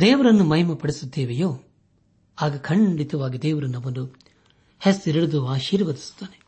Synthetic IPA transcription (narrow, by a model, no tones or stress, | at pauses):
d̪eːʋɐɾɐnːumɐɦimɐpɐɽisud̪ːeːʋejoː | aːɡɐkʰɐɳɖit̪ɐʋaːɡid̪eːʋɐɾɐnːɐʋɐnd̪u | hesiɾɐɽud̪uaːʃiːɾʋɐd̪i̥su̥t̪ːaːne